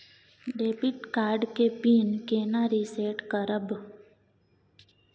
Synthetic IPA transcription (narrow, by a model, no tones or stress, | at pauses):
ɖeːpiʈkaːɾɖkepiːnkeːnaːɾiseːʈkəɾəb